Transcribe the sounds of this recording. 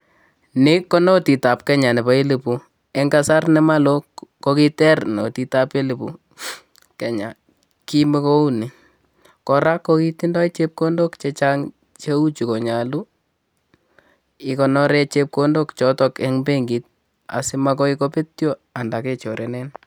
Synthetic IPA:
nɪ˦kɔ˦nɔ˦ti˨ta˨p̚kɛ˦ɲa˨nɛ˨ba˦i˦lɪ˨pu˨ | ɛ˦ŋɡa˦sa˦rnɛ˨ma˦lo˦ko˦ki˦tɛ˦rnɔ̰˨ti˨ta˦pe˦lɪ˨pṵ˨ | kɛ˨ɲa̰˨ | ki˦me˦ko˦u˦ni˨ | kɔ˨ɾa˦kːoki˦ti˦ndɔ˦i˦t͡ʃe˦p̚ko˦ndo˦kt͡ʃet͡ʃa˦ŋ | t͡ʃe˦u˦t͡ʃi˨ko˨ɲa˨lu˦ | ɪ˨kɔ˨nɔ˦ɾɛ˦t͡ʃe˦p̚ko˦ndo˦kt͡ʃɔ˦tɔ˦kɛ˦ŋbe˦ŋɡi˨t̚ | a̰˨si˦ma˦kɔ˦i˦ko˦pe˦tjo˦a˨nda˨ke˦t͡ʃo˨ɾʔɛ˨nɛ˦n

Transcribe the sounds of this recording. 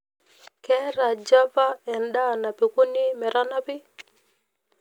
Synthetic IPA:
kɛ˦ɾa˨d͡ʒa˦va˦ɛ˨nda˦˨na˨pi˨ko˦ni˦mɛ˨ɾa˦na˦pɪ˦

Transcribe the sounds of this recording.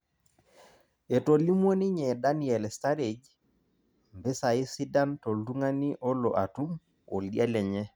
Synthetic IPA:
ɛ˨to˨li˦mwo˦ni˦ɲɛ˨da˦ni˦ɛ˨lɛ˨sta˦ɾe˨d͡ʒ | mbɪ˦sa˨i˦si˦da˦mtɔ˨lu˦ŋa˦ni˦ʔɔ˦lɔ̰˨ʔa˨tu˦m | o˨ldi˦a˦lɛ˨ɲɛ˦

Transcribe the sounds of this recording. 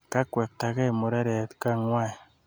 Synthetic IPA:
ka˦kwɛ˨k̚ta˨ke˦e˨mo˨ɾe˦ɾɛ˨tka˦ŋwa˦˨i˨

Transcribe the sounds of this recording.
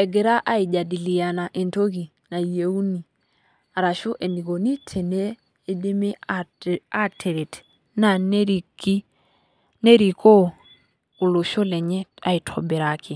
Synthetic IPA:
ɛ˨ɡe˨ɾa˦ʔa˦i˨d͡ʒa˨di˨li˨ja˨na˨ʔe˨nto˦ki˨ | na˨je˨u˦ni˨ | a˨ɾa˨ʃu˦ʔe˨ni˨ɡo˨ni˦tʰe˨neː˦ | de˦me˦ | a˦tʰe˨ɾe˨t | na˨n˦ɾi˨ki˦ | ne˦ɾi˨ko˦ | u˨lo˨ʃo˦lɛ˨ɲɛ˦a̰˨i˨tʰɔ˨be˨ɾa˨kɪ˨

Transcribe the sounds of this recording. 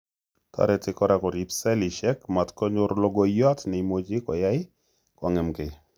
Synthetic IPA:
ta̰˨ɾɛtɪkɔɾa˨kɔ˨ɾi˨psɛ˦li˨ʃɛ˦kma˨tkɔ˦ɲʊ˦ɾlo˦ɡɔ˦jɔ˦tnɛ˨imo˦d͡ʒɪ˦kɔ˨ja˦ɪ˦ | kwa˨ŋɛ˨mke˨

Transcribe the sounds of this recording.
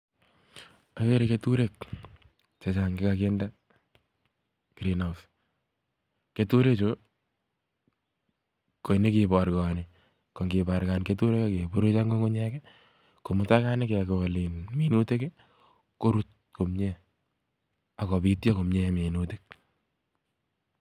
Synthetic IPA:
a˨ke˦ɾeketu˦ɾek̚ | t͡ʃe˨t͡ʃa˨ŋɡɪ˦kak̬e˦nda˦ | ɡ̥ɾinhaws | ke˦tu˦ɾe˦t͡ʃo | kɔ˨i˨ne˦kipa˨ɾka˨ni | kɔ˨ŋɡi˨ba˨ɾkanketu˦ɾe˦kake˨po˦ɾe˦t͡ʃa˦ŋɡo˦ŋɡo˦ɲɛkɛ | ko˨muta˦ka˦ne˦ke˨ke˨linminu˦te˦ke | ko˦ɾu˦t̚ | ko˨mɲe | a˨kɔ˨bitja˦ko˨mɲe˦me˨nutek̚

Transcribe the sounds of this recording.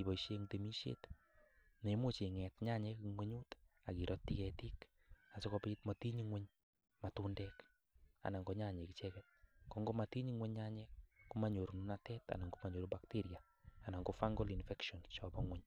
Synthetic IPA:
i˨bɔ˨iʃe˦ŋte˨mi˦ʃjḛ˦t | ne˨˦mo˦t͡ʃe˨ŋɛ˨tɲa˦ɲɛ˦kŋwʷeɲu˦ta˨ki˨ɾʔɔ˦tːi˦kɛtik | a˨sɔ˦kɔ˧pitmati˦ɲiŋwɛ˦ɲ | matu˦ndɛk | a̰˨na˨ŋɡɔ˨ɲa˦˨ɲe˨kit͡ʃɛkɛt̚kɔ˨ŋɡo˦ma˨ti˦ɲi˦ŋwɛ˦ɲɲa˦ɲɛ˦kkuma˨ɲo˨ɾu˨nu˦natɛ˦ta̰˨na˨ŋɡo˦ma˨ɲo˨ɾuba˨kti˦ɾiaː˨ | na˨ŋɡofa˦ŋɡo˦li˨nfɛkʃɔ˨nt͡ʃɔbɔŋwɛ˦ɲ

